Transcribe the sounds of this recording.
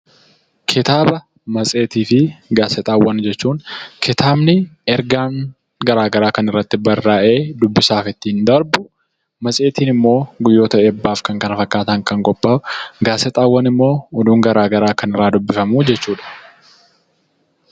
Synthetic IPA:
kʰɪt̪aːbɐ | mɐsʼe̞ːt̪iːfɪɡaːsɛt̪ʼaːwːɐnd͡ʒɛt͡ʃːuːŋkʰɪt̪ʰaːbnɪɛɾɡaːn | ɡɐɾaːɡɐɾaːkɐnɪrːɐt̪ːɪbɐrːaːʔe̞ːd̪ʊbːɪsaːfɪt̪ːɪɪnd̪ɐɾbʊ | mɐsʼe̞ːt̪ʰiːnɪmːo̞ːɡʊjːo̞ːt̪ɐɛbːaːfkɐŋkɐnɐfɐkːaːt̪ɐŋkɐŋkʼɔbːaːʊɡaːsɛt̪ʼaːwːɐnɪmːo̞ːɔd̪uːŋɡɐɾaːɡɐɾaːkɐnɪrːaːd̪ʊbːɪfɐmuːd͡ʒɛt͡ʃːuːᶑɐ̥

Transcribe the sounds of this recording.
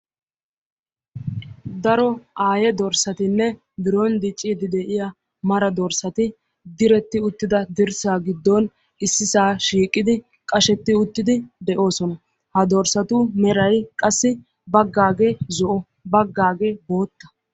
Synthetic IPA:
d̪ɐɾɔʔaːjɛd̪ɔɾsɐt̪ɪnːɛ | bɪɾɔnd̪ɪt͡ʃʼːid̪ɪd̪ɛʔɪja | mɐɾɐd̪ɔɾsɐt̪ɪ | d̪ɪɾɛt̪ːɪʊt̪ːɪd̪ɐd̪ɪɾsaːɡɪd̪ːɔn | ɪsːɪsaːʃiːkʼːɪd̪ɪ | kʼɐʃɛt̪ːɪʊt̪ːɪd̪ɪd̪ɛʔo̞ːsɔnɐ | hɐd̪ɔɾsɐt̪ʊmɛɾɐjkʼɐsːɪ | bɐɡːaːɡezɔʔɔ | bɐɡːaːɡeːbo̞ːt̪ːɐ̥

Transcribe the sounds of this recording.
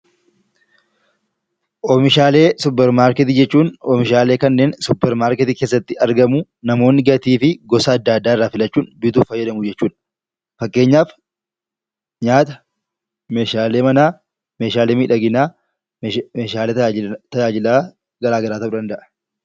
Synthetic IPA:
ʔɔmɪʃaːle̞ːsʊpːɛɾmaːɾkɛt̪̬ɪd͡ʒɛt͡ʃːuːnɔmɪʃaːle̞ːkɐnːe̞ːnsʊpːɛɾmaːɾkɛt̪ɪkeːs̬ːɐt̪ːɪɐɾɡɐmʊ | nɐmo̞ːnːɪɡɐt̪iːfɪɡɔsɐːd̪ːaːd̪ːaːɪrːaːfɪlɐt͡ʃːuːnbɪt̪uːfɐjːɐd̪ɐmʊd͡ʒɛt͡ʃːuːᶑɐ̥ | fɐkʼːe̞ːɲːaːf | ɲaːt̪ɐ | meːʃaːleːmɐnaː | meːʃaːleːmiːᶑɐɡɪnaː | eːʃaːlet̪ɐd͡ʒaːd͡ʒɪlaː | ɡɐɾaːɡɐɾaːt̪ɐʊd̪ɐnd̪ɐʔɐ̥

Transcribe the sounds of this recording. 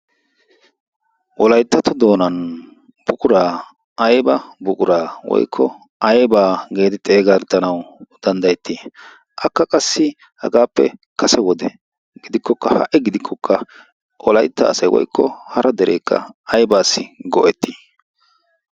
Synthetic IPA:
ʔɔlɐjt̪ːɐt̪ɔd̪o̞ːnɐn | b̥ʊkʼʊɾaː | ɐjbɐbʊkʼʊɾaːwɔ̰jkʰːɔ | ʔɐjbaːɡe̞ːd̪ɪt̪ʼe̞ːɡɐɾt̪ːɐnɐwd̪̥ɐnd̪ɐjɛt̪ːiː | ʔɐkːɐkʼɐsːɪ | hɐ̰ɡaːpːɛ̰kɐsɛwɔd̪ɛ | ɡ̥ɪd̪ɪkːɔkːɐhɐ̰ʔɛɡɪd̪ɪkʰːɔkʰːɐ | ʔɔlɐjt̪ːɐ̰ːsɐjwɔ̰jkʰːɔhɐɾɐd̪ɛɾʔeːkːɐ̰ɐjbaːsːɪɡɔʔɛt̪ːiː

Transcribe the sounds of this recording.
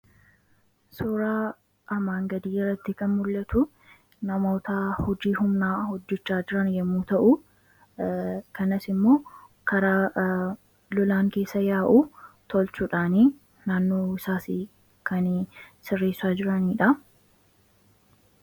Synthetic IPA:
soːɾaː | ʔɐmaːŋɡɐd̪iːɪrːɐt̪ːɪkɐnmʊlːɐt̪ʊ | nɐmoːt̪aːhɔd͡ʒiːhʊmnaːhɔd͡ʒːɛt͡ʃːaːd͡ʒɪɾɐnjɛmːuːt̪ɐʔʊ | kɐnɐsɪmːo̞ːkɐɾaː | lɔlaːŋke̞ːsːɐjaːʔuːt̪ɔlt͡ʃuːᶑaːni | naːnːoːɪsaːsi | kɐnsɪrːeːsːaːd͡ʒɪɾɐniːᶑɐ

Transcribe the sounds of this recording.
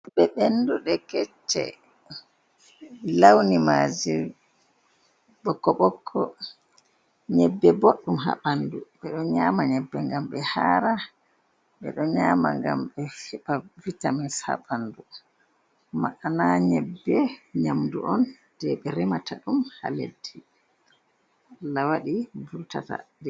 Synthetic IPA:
ɓɛɓenduɗɛkɛt͡ʃːɛ̰ | lawnimad͡ʒi | ɓɔkːɔɓɔkʰːɔ | ɲɛbːɛboɗːumɦa̰ɓanduɓɛɗɔɲaːmaɲɛbːɛŋɡamɓɛhaːɾa | ɓɛ̰ɗɔɲama̰ŋɡa̰mɓɛfɛɓavitaminsha̰ɓandu | ma̰ʔanaɲɛbːɛɲamdṵʔɔn | d̥ɛɓɛɾɛmataɗumha̰lḛdːi | lawaɗibuɾta̰ta̰dɛ

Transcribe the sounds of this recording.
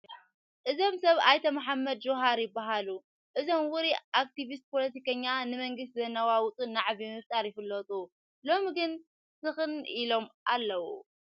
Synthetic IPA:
ʔɨzo̞msɐβajt̪ʰɐmaħamːɐd̪d͡ʒoɦaɾjɪbːaɦalu | ʔɨzo̞mwʊɾiʔak̚t̪iβis̬t̪̚pʰo̞lɐt̪ʰikɐɲːanɨmɐŋɡɨs̬t̪zɐnːɐwawʊt͡sʼɨnːaʕβimɨft̪ʼaɾjɪfɨlːɐt̪ʼu | lo̞mɡɨn | sɨxɨnʔilo̞mʔalːɐwu

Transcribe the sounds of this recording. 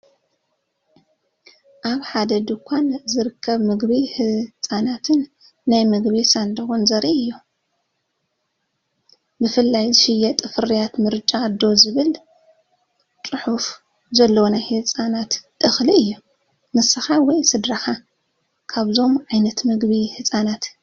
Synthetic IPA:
ʔaβħad̪ɐd̪ɨkʷʰanzɨɾɨkʰːɐβmɨɡβihɨt͡sʼanat̪ʰɨnː | ajmɨɡβisand̪ɐɣonzɐɾiɨjːu | bɨfɨlːajzɨʃɪjːɛt̪ʼɨfɨɾijat̪mɨɾt͡ʃʼːad̪ːo̞zɨβɨl | t͡sʼɨħuf | zɐlːɐwonajhɨt͡sʼanat̪ːʼɨxliɨjːu | nɨsɨxawɔjsɨd̪ɾaxa | kʰaβzo̞mʕajnɐt̪mɨɡβihɨt͡sʼanat̪

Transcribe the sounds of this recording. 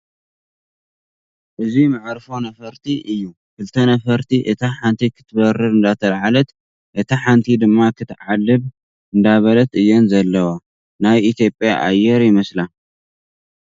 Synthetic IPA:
ʔɨzimɨʕɾfo̞nɐfɐɾt̪ʰiʔɨjːu | kʰɨlt̪ʰɐnɐfɐɾt̪ʰiʔɨt̪ʰaħant̪ʰikʰɨ̥t̪ʰbɐrɨɾɨnd̪at̪ʰɐlʕalɐt̪ | ʔɨt̪ʰaħant̪ʰid̪ɨmːakʰɨt̪ʕalːɨβ | ʔɨnd̪aβɐlɐt̪ɨjːɛnzɐlːɐwo | najit̪ʰjo̞pʼjaʔa̰jːɛɾjɪmɐsla

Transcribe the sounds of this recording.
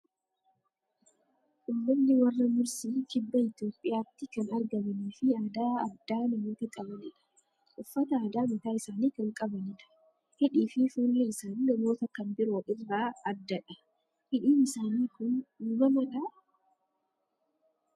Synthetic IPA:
ʔʊmːɐnːɪwɐrːɐmʊɾsiːkɪbːɐɪt̪jo̞ːpʼːɪjaːt̪ːɪkɐnɐɾɡɐmɐniːfɪaːd̪aːɐ̰d̪ːaːnɐmo̞ːt̪ɐkʼɐbɐnɪᶑɐ̥ | ʔʊfːɐt̪ɐaːd̪aːmɪt̪aːɪsaːniːkɐŋkʼɐbɐnɪᶑɐ̥ | hɛᶑiːfɪfuːlːeɪsannɐmo̞ːt̪ɐkɐmbɪɾoːʔɪrːaːɐd̪ːɐᶑɐ | hɪᶑiːnɪsaːniːkʊnmɐmɐᶑɐ

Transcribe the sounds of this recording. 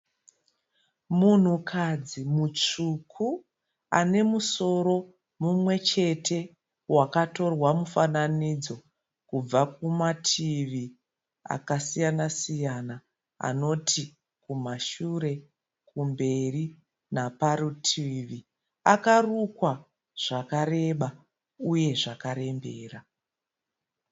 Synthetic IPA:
mun̤ukʰad͡zimut͡ʂukʰu | a̰ne̞muso̞ɾo̞ | mumwe̞t͡ʃe̞tʰe̞ | wakato̞rwamufananid͡zo̞ | kub͡vakumatʰiʋi | a̰kasijanasijana | a̰no̞tʰi | kumaʃuɾe̞ | kumbe̞ri | napaɾutʰiʋi | akarukwa | ʐ̥akare̞ɓa | uje̞ʐakaɾe̞mbe̞̰ːra

